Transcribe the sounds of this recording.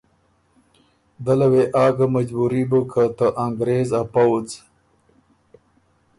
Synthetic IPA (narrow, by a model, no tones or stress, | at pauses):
d̪ɐlɐweʔaːɡamɐd͡ʒbuɾibokʰat̪aʔaŋɡɾeːzapawt͡s